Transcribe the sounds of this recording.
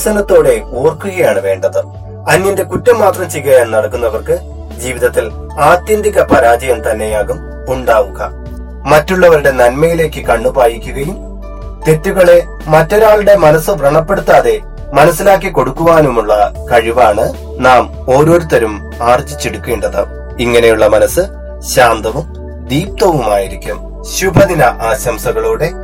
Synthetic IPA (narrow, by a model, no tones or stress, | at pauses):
sɐnɐt̪ːo̞ːɽe̞oːrkːuɣɐjaːɳɨʋe̞ːɳɖɐðɨ | ɐnːɐnde̞kutːɐmːaːt̪rɐmt͡ɕijɣɐjenːɐɽɐkːunːɐʋɐrkɨ | d͡ʑiːʋiðɐt̪ːil | aːt̪jɐnd̪ʱikʲːɐpɐɾaːd͡ʑɐjɐmt̪ɐnːe̞jaːɣum | uɳɖaːʋuɣɐ̰ | mɐtːuɭːɐʋɐɾuɽe̞nɐnmɐjile̞ːkːɨkɐɳːupaːjikʲːuɣɐjum | t̪e̞tːuɣɐɭe̞ | mɐtːo̞ɾaːɭuɽe̞mɐnɐsːɨbʱrɐɳɐpːe̞ɽut̪ːaːðe̞ | mɐnɐsːilaːkːiko̞ɽukːuʋaːnumuɭːɐkɐɻiʋaːɳɨ | naːm | o̞ːɾo̞ːɾut̪ɐɾum | aːrt͡ɕd͡ʑit͡ɕːeɽukːeːɳɖɐðɐ̰ | iŋːɐne̞juɭːɐmɐnɐsɨ | ɕaːnd̪ɐʋum | d̪iːp̚t̪ɐʋumaːjiɾikʲːum | ɕubʱɐðinɐʔaːɕɐmsɐɣɐɭuːɽe̞